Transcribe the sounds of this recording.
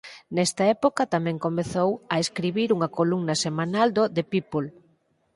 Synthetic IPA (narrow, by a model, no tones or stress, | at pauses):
nɛst̪ɐɛpokɐt̪amɛ̃ŋkomeθowɐeskɾiβiɾuŋɐkoluŋnɐsemanald̪od̪epipol